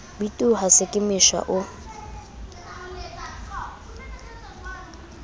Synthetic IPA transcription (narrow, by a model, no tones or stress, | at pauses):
bitʼuhasɪkʼɪmɪʃa̰ʔʊ